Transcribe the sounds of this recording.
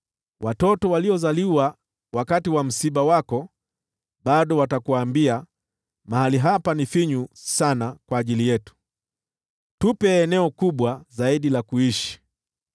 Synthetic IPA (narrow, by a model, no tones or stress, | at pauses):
wʔatɔtɔwaliɔzaliwa | wakatiwam̩siɓawakɔ | ɓaɗɔwatakuwaːmbia | maɦaliɦapanifiɲusanakwaːʄilijɛtu̥ | tupɛːnɛɔkuɓwazaiɗilakuiʃi̥